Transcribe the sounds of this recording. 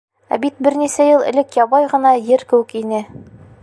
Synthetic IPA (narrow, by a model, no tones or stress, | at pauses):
æ̰bit̪̚bɘɾnisæjɤlˠɘ̰̆lɘkjɒbɑjʁɤ̆nɑjɘɾkɘ̆wɘ̆kinɘ